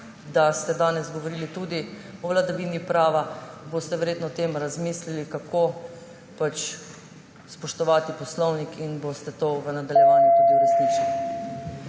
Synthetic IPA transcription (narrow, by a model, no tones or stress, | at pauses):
d̪ast̪ɛd̪aːnɛzɡɔʋoɾiːlit̪uːd̪iɔʋlad̪aʋiːnipɾaːʋabost̪ɛʋɛɾjeːt̪nɔt̪eːmɾazmiːslilikakʰo | pat͡ʃ | spɔʃt̪ɔʋaːt̪ipɔslɔwnikʰinbost̪ɛt̪oːʋənad̪aljɛʋaːnjut̪ud̪iuɾɛsnit͡ʃali